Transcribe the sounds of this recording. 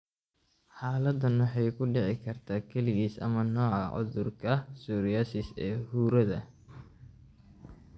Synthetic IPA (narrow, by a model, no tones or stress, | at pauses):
ħaːlɐd̪ɐnʊħɑjkʰʊɖɪʕɪkʰɐrt̪ʰaːkʰɐlɪɣiːsɐ̰mɐnɔːʕɑʕʊ̰ðʊrkʰɐsuːɾɪjaːsɪsɛːhuːɾɐðɐ